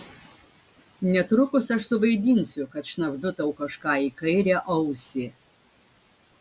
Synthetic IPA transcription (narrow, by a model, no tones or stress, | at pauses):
nʲɛt̪ɾʊkʊsʲɐʂsʊvɐjd̪ʲiːnʲsʲʊkɐt̪ʂnɐvd̪ʊt̪ɐwkɐʂkaːikʰɐjɾʲɛʔɐwsʲi